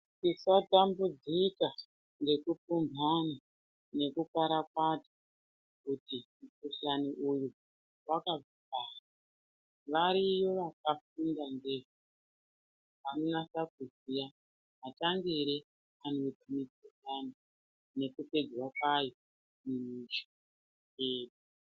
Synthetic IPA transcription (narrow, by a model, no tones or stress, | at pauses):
tisatambud͡zika | ŋɡe̞kup͡fumbʱana | ne̞kupaɾakwatḁ | kutimukuɬaniʔuju | wakab͡vipaːsa | ʋaɾijo̞ʋakafundandeʐu | ʋanonasakuzija | ɦataŋɡiɾe | anotimituɬani | ne̞kuped͡ʒwakwajo | mimit͡ʃo̥ | eːdu